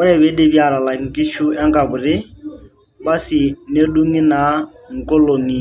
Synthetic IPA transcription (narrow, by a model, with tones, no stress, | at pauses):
ʊ˦ɾɛ˨be˦de˦bja˨la˨la˨ŋ̩˨ki˦ʃu˦ɛ˦ŋka˨bʊ˨ɾɪ˦ | ba˦sɪ˨ne˦du˦ŋi˦na˨˦ | ŋ̩˨kɔ˦lo˨ŋi˨